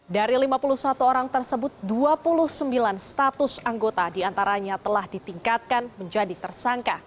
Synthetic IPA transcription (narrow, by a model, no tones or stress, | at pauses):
daɾilimapuluhsat̪uoɾaŋt̪ərsəbʊt̪̚duapulʊhsəmbilanst̪at̪ʊsaŋɡot̪adiant̪aɾaɲat̪əlahdit̪iŋkat̪̚kanməɲd͡ʒadit̪ərsaŋka